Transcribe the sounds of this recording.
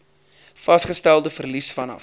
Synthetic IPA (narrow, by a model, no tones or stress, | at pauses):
fɐsχəstælˠdəfərlisfɐnɐ̰f